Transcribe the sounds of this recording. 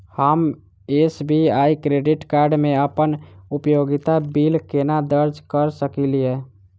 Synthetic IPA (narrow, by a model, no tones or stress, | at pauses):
həm | esbiaikɾeɖiʈkaɾɖmẽəpənupjoɡit̪abilkenad̪əɾd͡ʒʱkəɾsəkilie